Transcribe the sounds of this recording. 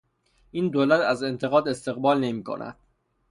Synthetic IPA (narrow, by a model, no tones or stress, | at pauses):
ʔiːnd̪oːlæt̪ʰæze̞nt̪ʰe̞ɣɒːd̪e̞st̪e̞ɣbɒːlne̞miːkʰo̞̰nʔæ̰d̪̥̚